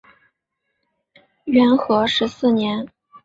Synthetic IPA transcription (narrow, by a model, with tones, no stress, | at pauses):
ɥɛ˧˥nxɤ˧˥ʂɻ̩˧˥sɹ̩˥˩njɛ˧˥n